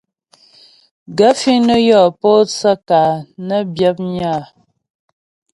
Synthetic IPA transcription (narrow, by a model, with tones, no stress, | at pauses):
ɡə˦fi˦nə˦jɔ˦˨pɔː˦t͡sə˦kaː˨nə˦bjə˦p̚ɲaː˦˨